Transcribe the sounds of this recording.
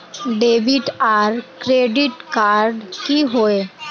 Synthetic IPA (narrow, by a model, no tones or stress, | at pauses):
ɖeʋiʈaɾkɾeɖiʈkaɾɖkiːɦoe